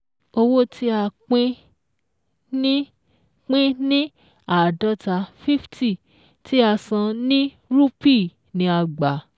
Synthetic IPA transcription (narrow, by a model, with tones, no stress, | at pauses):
o˧wo˦tʰi˦a˧k͡pĩ˦ | nĩ˦ | k͡pĩ˦nĩ˦ | a˦˨dɔ˨˦ta˧fi˦fti˦˨ | ti˦a˧sã˧nĩ˦ | ɾu˦pi˦˨ | nĩ˨˧a˧ɡ͡ba˨